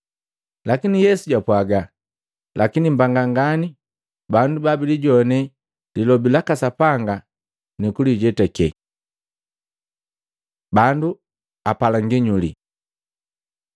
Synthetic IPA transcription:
lakinijɛsuɟapwaɡa | lʔakinimbaŋɡaŋɡani | bandubabiliɟɔnɛ | lilɔbilakasapaŋɡa | nikuliɟɛtɛkɛ | bandu | apalaŋɡiɲulḭ

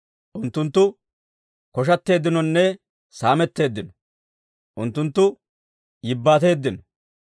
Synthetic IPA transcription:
ʔʊnt̪ːʊnt̪ːʊ | kɔʃ̬ɐt̪ːe̞ːd̪ːɪnɔnːɛ | saːmɛt̪ːe̞ːd̪ːɪnɔ | ʔʊnt̪ːʊnt̪ːʊ | jɪbːaːt̪e̞ːd̪ːɪnɔ

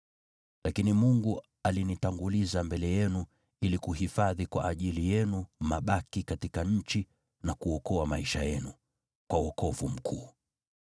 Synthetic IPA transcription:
lakinimuŋɡu | alinitaŋɡulizambɛlɛjɛnu | ilikuɦifaðikwa̰ʔːʄilijɛnumaɓakikatikaɲ̩t͡ʃi | nakuɔkɔamaiʃajɛnu | kwawɔkɔvum̩kʰuː

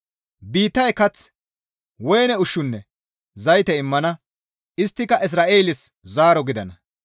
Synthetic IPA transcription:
biːt̪ːɐjkɐt͡s | wɔjnɛʊʃːʊnːɛ | zɐjt̪ɛɪmːɐnɐ | ɪst̪ːɪkɐʔɪs̬ɾaːʔeːlɪszaːɾɔɡɪd̪ɐnɐ

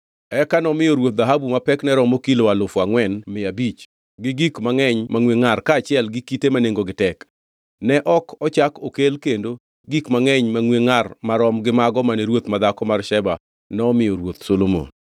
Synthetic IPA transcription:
ɛkanɔmɪjɔɾwot̪̚d̪aɦabumapɛknɛɾɔmokilowalʊfwaŋwɛnmɪabit͡ʃ | ɡɪɡikmaŋɛɲmaŋweŋarkaːt͡ʃɪɛlɡɪkitemaneŋɡoɡɪtɛk | nɛʔɔkʰɔt͡ʃakokelkendo | ɡikmaŋɛɲmaŋweŋarmaɾɔmɡɪmaɡɔmaneɾwot̪mad̪akɔmarʃɛba | nɔːmɪjɔɾwot̪solomo̰n

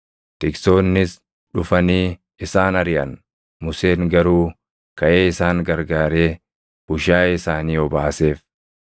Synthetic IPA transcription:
t̪ɪksoːnːɪs | ᶑʊfɐniː | ɪsaːnɐɾɪʔɐ̰n | mʊse̞ːŋɡɐɾuː | kɐʔeːɪsaːŋɡɐɾɡaːɾeː | b̥ʊʃaːɪsaːniːɔbaːse̞ːf

